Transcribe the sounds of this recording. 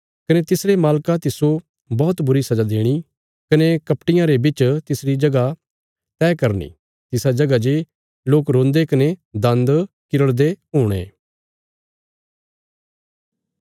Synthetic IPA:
kɐnet̪ɪsɾemaːlkat̪ɪso | bɔːt̪bʊɾisɐd͡ʒad̪eːɽ̃i | kɐnekɐpʈɪjãɾebɪt͡ʃt̪ɪsɾid͡ʒɐɡa | t̪ɛːkɐɾnḭ | t̪ɪsad͡ʒɐɡad͡ʒe | loːkɾõːnd̪ekɐned̪ɐ̃nd̪ | kɪɾəɽd̪eɦʊːɽ̃ḛː

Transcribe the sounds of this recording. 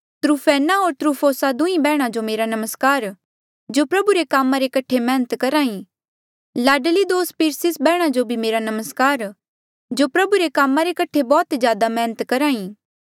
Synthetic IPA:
t̪ɾuːfʰɛːnaoːɾt̪ɾuːpʰoːsad̪ʊ̃ĩbɛːɽ̃ad͡ʒomeːɾanɐməskaːɾ | d͡ʒopɾɐbuɾekaːmãɾekɐʈʰemɛːnət̪kɐɾaːĩ | laːɖəlid̪oːspiːɾsɪsbɛːɽ̃ad͡ʒobʱimeːɾanɐməskaːɾ | d͡ʒopɾɐbuɾekaːmːãɾekɐʈʰebɔːt̪d͡ʒjaːd̪amɛ̃ːnət̪kɐɾaːĩː

